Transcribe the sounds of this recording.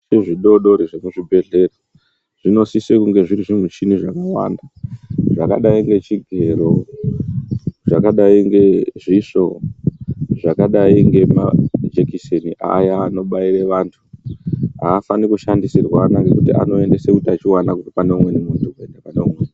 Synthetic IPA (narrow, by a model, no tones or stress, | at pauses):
ʐiɗo̞ɗo̞ɾiʐemuʐibʱe̞ɮe̞ro | ʐ̥ino̞sisekuŋɡe̞ʐiɾiʐim̤ut͡ʃiniʐakawa̰ndaʐaka̰ɗaiŋɡe̞t͡ʃiɡʱe̞ɾo̞ | ʐakaɗaiŋɡe̞ʐiʂo̞ | ʐakaɗaiŋɡe̞ma̰d͡ʒekiseniʔa̰jaːno̞ɓaireʋantʰu̥ | ɦaːfanikuʃandisirwaːnaŋɡe̞kutiʔa̰no̞e̞nde̞sekutiat͡ʃiwanakuipaneumwe̞nimuntukuendapaneumwen